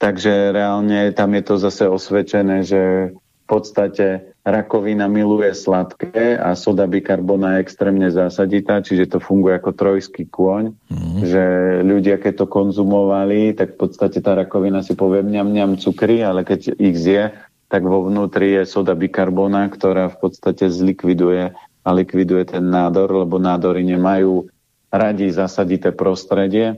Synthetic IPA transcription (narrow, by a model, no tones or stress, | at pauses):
t̪aɡʒɛɾɛalɲɛt̪amjɛt̪ɔzasɛɔsʋɛt͡ʃɛnɛːʒɛ | fpɔt̪st̪acɛ | ɾakɔʋinamilujɛslat̪kɛa̰sɔd̪abikaɾbɔnajɛɛkst̪ɾɛːmɲɛzaːsaɟit̪aːt͡ʃiʒɛt̪ɔfuŋɡujɛakɔt̪ɾɔjskikʊɔɲʒɛʎuɟɪakɛc̚t̪ɔkɔnzumɔʋalit̪akfpɔt̪st̪acɛt̪aːɾakɔʋinasipɔʋɪɛmɲamɲɪamt͡sukɾialɛkɛɟiɣzɪjɛ | t̪aɡʋɔʋnuːt̪ɾijɛsɔd̪abikaɾbɔːnakt̪ɔɾaːfpɔt̪st̪acɛzlikʋid̪ujɛ | alikʋid̪ujɛt̪ɛnːaːd̪ɔɾlɛbɔnaːd̪ɔɾiɲɛmajuː | ɾaɟizasaɟit̪ɛːpɾɔst̪ɾɛɟɪɛ